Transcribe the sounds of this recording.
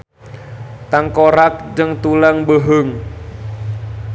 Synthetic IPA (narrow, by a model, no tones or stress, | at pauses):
t̪aŋkoɾak̚d͡ʒəŋt̪ulaŋbəɦəŋ